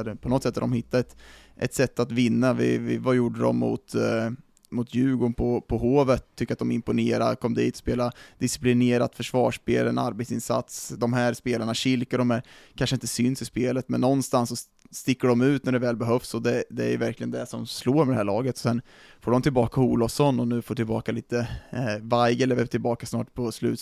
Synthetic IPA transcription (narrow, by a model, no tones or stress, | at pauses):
d̪əpʰɔnɔt̪sɛt̪ːaɾd̪ɔmhɪt̪ːaɛt̪ | ʔɛ̰t̪sɛt̪ːat̪vɪnːavɪ̰vɪ̰vajuɖːəd̪ɔ̰mːʊ̰t̪ | mʊt̪ʰjʉ̟ːɡʊnpʰɔpʰɔɦoːvət̪ʰːʏkːɾat̪̚d̪ɔmɪmpʊneːɾakʰɔmːd̪iːt̪ɔ̥speːlad̪ɪsɪ̥plɪneːɾat̪fœʂvɑːʂpeːlɛna̰ɾbet̪sɪnsa̰t̪sd̪ɔmɦæɾspeːlaɳaɕɪlkəɖ̪ɔmæɾkʰanʂəɪnt̪əsʏnsɪspeːlət̪mɛnːɔnːst̪ansːɔ | st̪ɪkːəɖɔmʉ̟ːt̪̚næɖɛvɛːlbɛɦœfsɔd̪ɛd̪ɛæɾjɵ̰væɾklɪɡənd̪ɛʂɔmsloːɾmɛd̪ɛhæːɭɑːɡət̪ɔ̥sɛn | foːɖɔmt̪ɪlbɑːkauːlɔfsɔnːɔnʉ̟ːfoːʈɪlbɑːkaliːt̪əvaɾɡɛlɛvɛt̪ʰɪlbɑːkasnɑːʈpʰɔslʉ̟ːt̪